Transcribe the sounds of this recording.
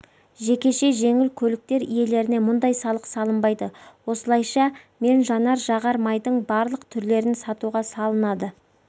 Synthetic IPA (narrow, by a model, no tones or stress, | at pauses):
ʒe̞kʲe̞ʃe̞ʒe̞ŋɪlkʲʰɵlɪk̚t̪e̞ɾije̞le̞ɾɪne̞mʊnd̪ɑjsɑlˠəqsɑlˠəmbɑjd̪əwo̞səlˠɑjʃɑ | me̞nʒɑnɑɾʒɑʁɑɾmɑjd̪əɴbɑɾlˠəqt̪ʰʏɾle̞ɾɪnsɑt̪uʁɑsɑlˠənɑd̪ə